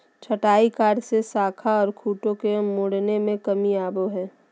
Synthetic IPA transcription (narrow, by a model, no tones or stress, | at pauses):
t͡ʃʰəʈaːikaːɾsesaːkʰaɔːɾkʰuːʈõkemʊɽnemẽkɐmiaːboɦɛ̃ː